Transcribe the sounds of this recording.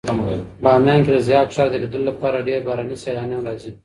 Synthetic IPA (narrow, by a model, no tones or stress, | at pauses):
bɑːmjɑːnked̪əzjɑːt̪ʃɑːɾd̪eled̪əllapɑːɾaɖeɾbaːɾaːniselɑːnjɑnɾɑːzi